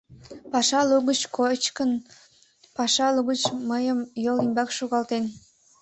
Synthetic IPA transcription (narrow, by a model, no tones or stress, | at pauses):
pɑʃɑluɣət͡ɕkot͡ɕkən | pɑʃɑlˠuɣət͡ɕːəjəmjolimbɑkʃuɣɑlˠt̪en